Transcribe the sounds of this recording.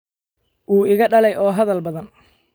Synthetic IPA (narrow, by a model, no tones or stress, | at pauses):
ʔuːɪɣɐɖɐlɛjʔɔːɦɐðɐlbɐðɐn